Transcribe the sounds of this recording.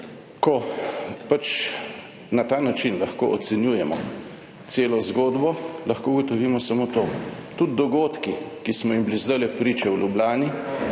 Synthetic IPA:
kɔpat͡ʃ | nat̪aːnat͡ʃinlɐxkoːʔɔt̪sɛnjuːjɛmɔ̰ | t̪seːlɔzɡoːd̪bɔlɐxkouɡɔt̪ɔʋiːmɔsamot̪oːt̪ud̪̚d̪ɔɡoːt̪kikismɔjimblizd̪ajlɛpɾiːt͡ʃɛwlʲjublaːni

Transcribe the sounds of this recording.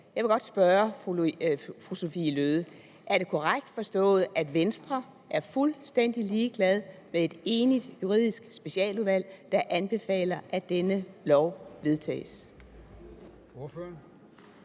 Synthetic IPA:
jɑ̈ɪʋe̝ɡ̥ɒ̽d̥sb̥ɶːɐ | fʁuso̝fḭːløːð̞ˠə | ʔæɐɾ̥e̝kʰɒʁaɡ̥̚d̥fɒ̽sd̥ɔ̰̽ːð̞̩ˠæd̥ʋensd̥ʁɐ | ʔæɐfulsd̥en̰d̥iliːɡ̥lɛð̞ˠmee̝d̥e̝ːnid̥juʁḭð̰ˠisɡ̥sb̥e̝ɕiɛ̰ːluðˠʋæl̰d̥ɑ̈ʔænb̥e̝fɛ̰ːlɐʔæd̥enəlɒʊ̰ʋe̝ð̞ˠt͡sʰɛ̰ːs

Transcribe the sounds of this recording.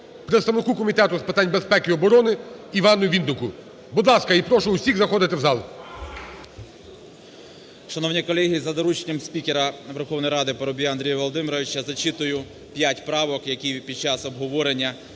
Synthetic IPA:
pɾet̪st̪ɐʋnɪkukɔmʲit̪ɛt̪ʊspɪt̪ɑnʲbespɛkɪɔbɔɾɔnɪiʋɑnʊʋʲind̪ʊkʊ | bud̪lˠɑskɐipɾɔʃʊʊsʲiɣzɐxɔd̪ɪt̪ɪwzɑlˠ | ʃɐnɔwnʲikɔlʲˠɛɦʲizɐd̪ɔɾut͡ʃenʲɐmsʲpʲikʲeɾɐʋerxɔwnɔjɾɑd̪ɪpɔɾɔbʲijɐnd̪ɾʲijɐʋɔlˠɔd̪ɪmiɾɔʋʲɪt͡ʃɐzɐt͡ʃit̪ʊjʊ | pʲjatʲpɾɑʋɔkjɐkʲijpʲid̪̚t͡ʃɑsɔbɦɔʋɔɾenʲːɐ

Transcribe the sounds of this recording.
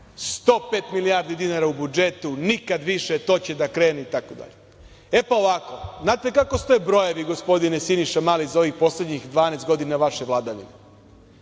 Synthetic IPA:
st̪o̞ːpet̪milijaːɾd̪id̪inaɾaubud͡ʒe̞t̪unikad̪ʋiʃet̪o̞ːt͡ɕe̞d̪akɾe̞ːneit̪akod̪a̰ʎe | epaoʋako̞znaːt̪e̞kako̞st̪ojbɾo̞jeʋiɡo̞spo̞d̪inesiniʃamalizao̞ʋixpo̞sle̞d̪ɲixd̪ʋaːnest̪ɡo̞d̪inaʋaʃeʋlˠad̪aʋḭne

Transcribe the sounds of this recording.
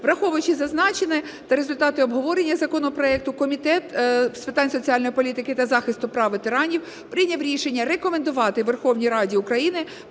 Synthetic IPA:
ʋɾɐxɔʋʊjʊt͡ʃɪzɐznɑt͡ʃenɛ | t̪ɐɾezʊlʲt̪ɑt̪ɪɔbɦɔʋɔɾenʲːɐzɐkɔnɔpɾɔɛk̚t̪ʊkɔmʲit̪ɛt̪spɪt̪ɑnʲsɔt͡sʲiɑlʲnɔjipɔlʲit̪ɪkɪt̪ɐzɑxɪst̪ʊpɾɑʋɪt̪ɪɾɑnʲiw | pɾɪnʲɐwɾʲiʃenʲːɐɾekɔmend̪ʊʋɑt̪ɪʋerxɔwnʲijɾɑdʲiʊkɾɐjinɪ

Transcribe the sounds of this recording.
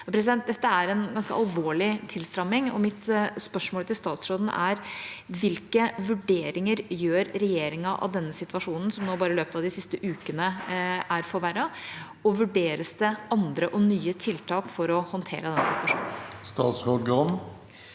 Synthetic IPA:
ɑpʰɾɛsɪd̪ɛnt̪̚d̪ɛt̪ːəæɾɛnɡɑnskə̰ʔɑlʋoːɭɪt̪ʰɪlst̪ɾɑmːɪŋɔ̰mɪt̪spœʂmoːlət̪ɪlst̪ɑːt̪sɾoːd̪n̩ʔæɾʋɪlkəʋʉɖeːɾɪŋəɾjøːɾɾɛjeːɾɪŋɑʔɑ̰ʋd̪ɛnːəsɪt̪ʋɑʂuːnən̩sɔmnoːbɑːɾəɪløːpət̪ɑʋd̪ɪsɪst̪əʔʉːkənəæɾfɔɾʋæɾɑ | ɔʋʉɖeːɾəsd̪ɛɑnd̪ɾəʔɔnyːət̪ʰɪlt̪ʰɑːkfɔɾɔhɔnt̪ʰḛːɾəd̪ɛnːəsɪt̪ʋɑʂṵːnn̩st̪ɑːt̪sɾoːd̪ɡɔn

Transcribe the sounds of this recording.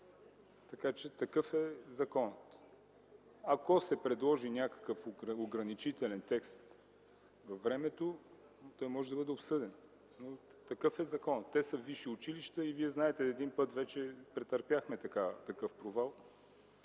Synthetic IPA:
t̪ɐkat͡ʃɛt̪ɐkɤfɛzɐkɔnət̪ | ɐkosɛpɾɛd̪lˠɔʒinʲakə̥kəfoɡɾɐnit͡ʃit̪ɛlɛnt̪ɛkst̪ | vɐvːɾɛmɛt̪o | t̪ɔjmɔʒɛd̪ɐbəd̪ɛopsɤd̪ɛn | not̪ɐkɤfɛzɐkɔnət̪ːɛsəviʃiʊt͡ʃiliʃt̪əiviɛznaɛt̪ɛːd̪inpɤt̪vɛt͡ʃɛpɾɛt̪ɐɾpʲjaxmɛt̪ɐkat̪ɐkɤfpɾovalˠ

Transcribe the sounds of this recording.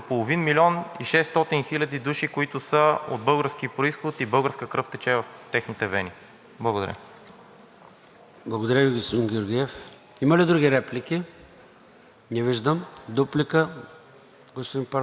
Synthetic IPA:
opolˠovinmilʲɔniʃɛst̪ɔt̪inxilʲɐd̪id̪uʃikoit̪ʊsəo̰d̪̚bɤlˠɡəɾsk̟ipɾoisxot̪ibɤlˠɡəɾskəkɾɤft̪ɛt͡ʃɛvɐft̪ɛxnit̪ɛvɛni | blˠɐɡod̪ɐ̰ɾʲjə̰ | blˠɐɡod̪ɐɾʲjəviɡospod̪inɡʲoɾɡʲiɛf | imɐlid̪ɾuɡʲiɾɛplikʲi | nɛviʒd̪əmd̪uplikə | ɡospod̪inpɐ

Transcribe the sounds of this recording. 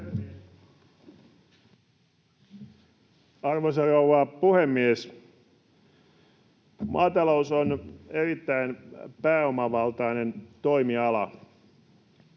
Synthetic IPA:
ɑrʋosɑrouʋɑːpuhemːies | mɑːt̪ɑlousonerit̪ːæinpæːomɑʋɑlt̪ɑinent̪oimiɑlɑ

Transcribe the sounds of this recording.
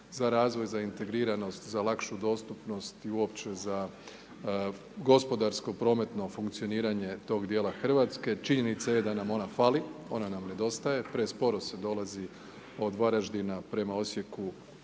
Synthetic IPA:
zaɾaːzʋo̞jzaint̪e̞ɡɾiːɾano̞st̪zalakʃud̪o̞ːst̪upno̞st̪iuo̞pt͡ʃe̞za | ɡo̞spo̞d̪aɾsko̞pɾo̞ːme̞t̪no̞fuŋkt̪sio̞niːɾaɲe̞t̪o̞ːɡd̪je̞ːlaxr̩ʋat̪ske̞t͡ʃiɲe̞nit̪sajed̪anamo̞nafaːlio̞̰nanamne̞d̪o̞st̪aje̞pɾespo̞ɾose̞d̪o̞lˠazi | o̞d̪ʋaɾaʒd̪inapɾe̞mao̞sje̞ku

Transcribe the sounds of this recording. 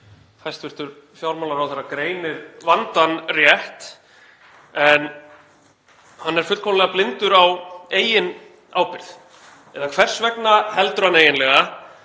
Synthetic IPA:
fajst̪vɪɾ̥t̪ʏɾ | fjawɾmawlaɾawθɛɾːakɾeːjnɪɾvant̪anrjɛht̪ | ɛn | hanːɛɾ̥fʏt̪kʰɔmlɛɣaplɪnt̪ʏɾaweːjɪn | aːwpɪɾ̥θ | ɛðakʰv̥ɛr̥svɛknahɛlt̪ɾʏhanːejɪnlɛɣa

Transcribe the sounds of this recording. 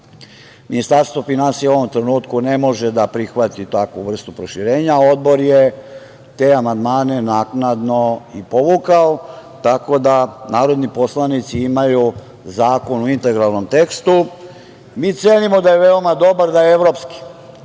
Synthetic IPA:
minist̪aɾst̪ʋo̞finansijeo̞ʋo̞mt̪ɾenuːt̪kune̞mo̞ʒed̪apɾixʋat̪it̪akʋuʋr̩st̪upɾoʃiɾe̞ːɲao̞d̪̚bo̞ɾje | t̪e̞amand̪maːne̞naknad̪no̞ipo̞ʋukaot̪ako̞d̪anaːɾo̞d̪nipo̞slanit̪siimaju | zaːko̞nuint̪e̞ɡɾalˠno̞mt̪e̞kst̪u | miːt̪seːnimo̞d̪aje̞ʋe̞o̞mad̪o̞baɾd̪ajeeʋɾopski̥

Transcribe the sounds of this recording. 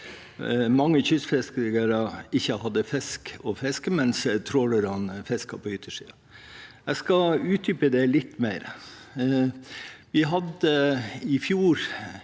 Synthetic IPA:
mɑŋːəçʏsfɛskəɾɡəɾɑɪçːəhɑd̪ːəfɛskɔfɛskəmɛnst̪ʰɾoːləɾɑnfɛskɑpʰɔʏt̪ʰːəʂḭːɑ | æɪskɑʉːt̪̚d̪ʏpəd̪ɛlɪt̪ːmæɪɾ | ʋɪɦɑd̪əɪfjuːɾ

